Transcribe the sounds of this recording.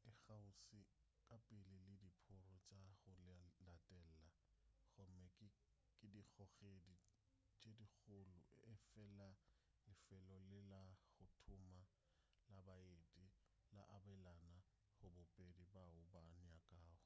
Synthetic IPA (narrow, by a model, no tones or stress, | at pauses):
ɪχaʊsɪkʼapʼɪlɪlɪdipʰʊrɔt͡ʃʼaɣʊllatʼɛl̩la | ɣɔmɛkʼɪ | kʼɪdik͡xɔɣedi | t͡ʃʼedik͡xʰʊlʊ̰ʔɪfɛla | lɪfɛlɔlɪlaɣʊtʰʊma | labaetʼi | la̰ʔabɛlana | χʊbʊpʼedibaʊbanakʼaːʊ